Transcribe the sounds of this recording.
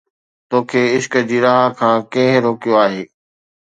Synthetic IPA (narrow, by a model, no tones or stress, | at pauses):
t̪oːkʰeːɪʃkəd͡ʑiːɾaːɦkʰãːkẽɦɾoːkijoaːɦeː